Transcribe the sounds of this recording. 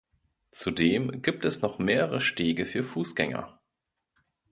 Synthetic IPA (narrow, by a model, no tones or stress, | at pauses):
t͡sudeːmɡiːp̚tɛsnɔχmeːʁəʁəʃteːɡəfyːɐfuːsɡ̥ɛŋɐ̰